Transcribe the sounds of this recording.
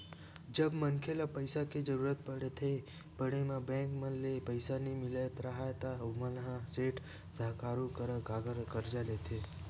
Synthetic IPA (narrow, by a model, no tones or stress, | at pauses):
d͡ʒəbmənkʰelapəɪsaked͡ʒəɾuːɾət̪̚pəɽet̪ʰe | pəɽemãbɛ̃ːŋkmənlepəɪsanimɪlət̪ɾəɦat̪aməlɦãseːʈ | səɦkaːɾũkəɾəkaɡəɾkəɾd͡ʒalet̪ʰe